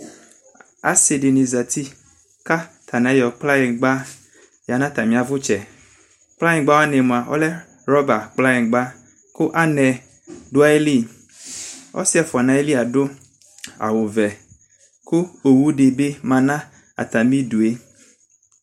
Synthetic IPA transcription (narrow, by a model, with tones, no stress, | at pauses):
a̰˨se˨de˨ni˨za˨t̪i˦ | ka˦t̪ʰa˨nã˨˦jɔ˨k͡pla˦je˨ɡ͡ba˦ | ja˨nã˦t̪a˨mĩ˨˦a˨vʊ˦t͡ʃɛ˨ | k͡pla˦jĩ˨ɡ͡ba˦wnɛ˨mũ˨a˨wʔɔ̰˦lɛ˦ | ɾɔ˦ba˨k͡pla˦ĩ˨ɡ͡ba˦ | kʊ˦ʔa˦nɛ˨ | do˦a˦jli˦ | ɔ̰˦si˦ɛ˨fɔ˨nã˨˦e˦li˦a˨ɖo˦ | a̰˨wo˨vɛ˨ | ku˦o˨wu˦ɖe˨be˦mã˨nã˦ | a̰˨t̪a˨mĩ˦du˨e˦